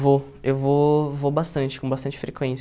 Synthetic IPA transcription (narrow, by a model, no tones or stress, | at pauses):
vo | ewvovobast̪ɐ̃nt͡ʃɪ̥kõbast̪ɐ̃nt͡ʃɪ̥fɾekwẽs